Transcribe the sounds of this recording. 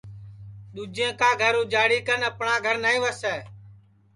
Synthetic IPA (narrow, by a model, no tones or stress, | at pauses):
ɗ̪uːd͡ʒẽːkaːɡʱəɾũːd͡ʒaːɽiːkənəpɳãːɡʱəɾnaːĩːʋəsɛː